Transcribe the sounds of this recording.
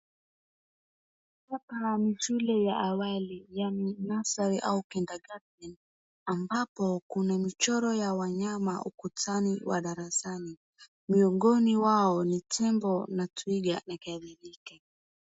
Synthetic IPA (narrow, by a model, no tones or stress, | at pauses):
kapamiʃulɛjaʔawalijaninasaɾiʔaukɛndaɡatɛn | ambapɔkunamit͡ʃɔɾɔjawaɲamaʔukutaniwʔa̰ɗaɾasani | miɔɡɔniwaɔnitʰɛmbɔnatuiɡa̰nakaðilika